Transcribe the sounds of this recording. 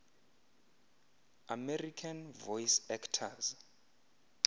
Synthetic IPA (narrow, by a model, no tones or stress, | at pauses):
amɛrikʰanvɔjisɛktʰaz